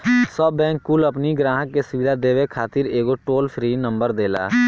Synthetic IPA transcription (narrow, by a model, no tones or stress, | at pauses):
sɔbɛ̃ːŋkːuːləpniɡɾaːɦəkːesʊʋɪd̪ʱad̪eːʋekʰaːt̪ɪɾeːɡoʈoːlpʰɾiːnə̃mbəɾd̪eːla̰ː